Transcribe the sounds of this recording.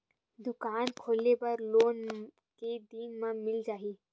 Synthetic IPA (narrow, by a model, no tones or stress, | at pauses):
d̪ʊkaːnkʰoːlepɐɾloːn | ked̪iːnmãmɪld͡ʒaːɦiː